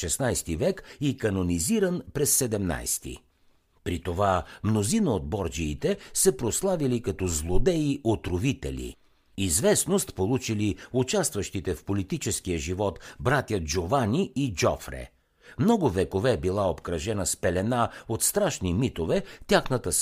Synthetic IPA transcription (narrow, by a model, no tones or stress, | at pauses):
ʃɛsnajst̪ivɛkikɐnoniziɾənpɾɛsːɛd̪ɛmna̰jst̪ḭ | pɾit̪ovamnozinəod̪̚bɔɾd͡ʒiːt̪ɛsɛpɾoslˠavilikɐt̪ɔzlˠod̪ɛiʔot̪ɾovit̪ɛ̰lḭ | izvɛsnost̪polˠut͡ʃiliut͡ʃast̪vəʃt̪it̪ɛfpolit̪it͡ʃɛskijəʒivɔt̪bɾat̪ʲjəd͡ʒovanʲiid͡ʒɔ̰fɾɛ̰ | mnɔɡʊvɛkovɛbilˠaopkɾɐʒɛnəspɛlɛnaot̪st̪ɾaʃnimit̪ovɛt̪ʲjaxnət̪əs